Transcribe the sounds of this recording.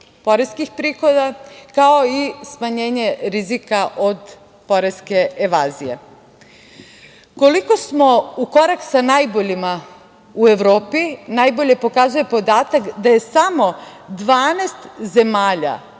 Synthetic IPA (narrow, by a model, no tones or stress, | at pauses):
po̞ɾeskixpɾiːxo̞d̪akao̞ismaɲe̞ːɲe̞ɾizikaʔo̞d̪ | po̞ɾe̞ske̞ːʋaːzije̞̰ | ko̞liko̞smo̞uko̞ɾaksanajbo̞ʎima | ue̞ʋɾoːpinajbo̞ʎe̞po̞kazuje̞pod̪aːt̪akd̪aje̞samo̞ | d̪ʋaːnest̪ze̞maːʎa̰